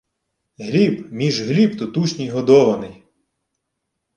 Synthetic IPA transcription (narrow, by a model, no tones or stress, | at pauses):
ɦlʲibmʲiʒɦlʲib̚t̪ɔt̪uʃʲnʲijɦɔd̪ɔʋɐnɪj